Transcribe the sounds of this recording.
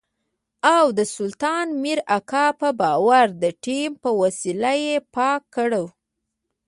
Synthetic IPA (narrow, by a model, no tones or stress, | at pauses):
awd̪əsʊlt̪ɑnmiɾakɑpəbɑwaɾd̪əʈimpəwasilajepɑkːəɽəw